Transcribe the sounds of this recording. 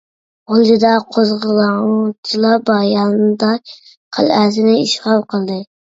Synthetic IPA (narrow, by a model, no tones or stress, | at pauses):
olˠdɪd̪ɑqʰozʁɨlˠɑt͡ʃʰɪlˠɑbɑjɑnd̪ɑ | qʰə̰lˠæsɪnɪiʃʁɑlˠqʰəlˠd̪ɪ